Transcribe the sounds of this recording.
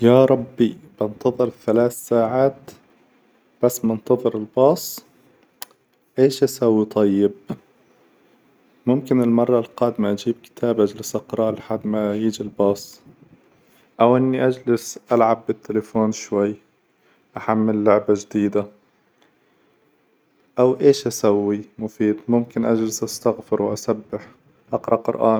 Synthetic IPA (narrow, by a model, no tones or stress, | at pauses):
jaːɾˤɑbːib̥ɪnt̪ɑðˤɨɾθalaːθsaːʕaːt̪ | b̥asːmɪnt̪ɑðˤɨɾɪlbɑːsˤ | ʔeːʃʔasawːit̪ˤɑjːɪb | mʊmkɪnɪlmɑrˤːɑlqɑːd̪maʔad͡ʒiːb̚kɪ̥t̪ʰaːbʔad͡ʒlɪsʔɑqɾˤɑːlħad̪majiːd͡ʒilbɑːsˤ | ʔawʔɪnːiʔad͡ʒlɪsʔalʕabːɪt̪ːɪlafoːnʃwajː | ʔaħamːɪlːʊʕbaʒd̪iːd̪a | ʔawʔeːʃʔasawːimʊfiːd̪mʊmkɪnʔad͡ʒlɪsʔast̪aɣfɪɾwʔasabːɪħ | ʔɑqɾˤɑqʊ̰ɾʔa̰ːn